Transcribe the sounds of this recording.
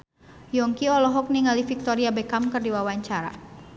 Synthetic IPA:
jɔŋkiɔlɔɦɔk̚niŋalifik̚t̪ɔɾiabɛkamkərdiwawaɲt͡ʃaɾa̰

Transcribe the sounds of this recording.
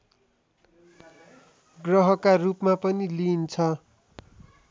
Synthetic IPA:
ɡrʌɦʌkarupmapʌnilint͡sʰʌ

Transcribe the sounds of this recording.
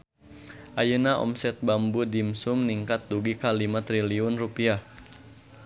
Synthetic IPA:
ʔajənaʔɔ̰msɛt̪̚bambudimsumniŋkat̪̚duɡikalimat̪ɾiliʊnrupiah

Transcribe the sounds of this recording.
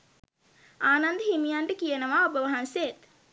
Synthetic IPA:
aːnand̪əɦimijaɳɖəkijənəʋaːobəʋɐɦansejet̪

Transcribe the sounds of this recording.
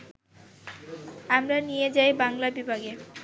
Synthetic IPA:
amɾanijed͡ʑajbaŋlabibʱaɡe

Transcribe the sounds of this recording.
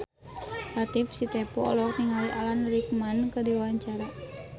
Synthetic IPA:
lat̪ifsit̪ɛpɔɔlɔk̚niŋaliʔalanɾik̚mankədiwawaɲt͡ʃaɾa

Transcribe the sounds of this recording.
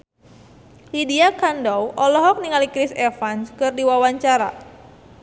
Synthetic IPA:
lidiakandɔwʔɔlɔɦɔk̚niŋalikɾisɛfanskɨrdiwawaɲt͡ʃaɾa̰

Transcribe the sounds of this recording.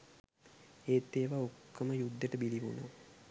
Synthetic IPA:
eːt̪ːeːʋaokːəməjud̪ːeʈəbiliʋuno̰

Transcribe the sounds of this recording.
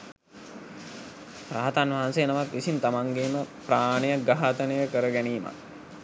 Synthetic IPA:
pɾaɦat̪anʋaɦansejnaʋakʋisint̪amaŋɡeːməpɾaːnəjəɡaɦat̪ənəjəkəɾəɡæniːma̰k̚

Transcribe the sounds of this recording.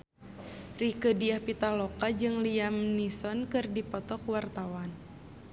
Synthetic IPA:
rikədiahpit̪alɔkad͡ʒɨŋliamnisɔnkɨrdipɔt̪ɔkwart̪awan

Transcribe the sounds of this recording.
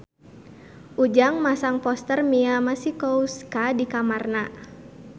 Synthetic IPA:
ʔud͡ʒaŋmasaŋpɔst̪ərmiamasikouskadikamarna

